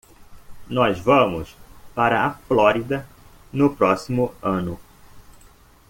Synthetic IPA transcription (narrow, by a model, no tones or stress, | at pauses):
nɔzvɐ̃mʊspaɾɐaflɔɾid̪ɐ | nʊpɾɔsimʊɐ̃nʊ